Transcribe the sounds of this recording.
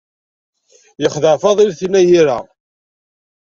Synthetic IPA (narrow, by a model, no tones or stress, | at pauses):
jəχðəʕfɑðˤilθinæjiɾa